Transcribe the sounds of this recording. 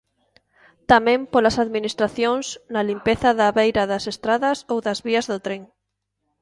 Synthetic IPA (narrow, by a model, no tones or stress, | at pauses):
t̪amẽmpolasaðminist̪ɾaθjoŋsnɐlimpeθɐðaβejɾɐðɐsest̪ɾaðɐsowðɐzβiɐzðʊt̪ɾeŋ